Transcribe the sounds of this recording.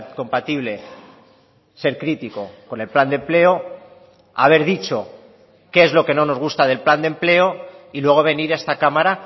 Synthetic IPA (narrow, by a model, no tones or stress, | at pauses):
ko̞mpat̪iβ̞le̞ | se̞ɾkɾit̪iko̞̰ko̞ne̞lpland̪emple̞o | a̰β̞e̞ɾðit͡ʃo̞ | ke̞ezlo̞ke̞no̞no̞zɣ̞ust̪að̞e̞lpland̪e̞mple̞o̞ilwe̞ɣ̞o̞βe̞niɾest̪akamaɾa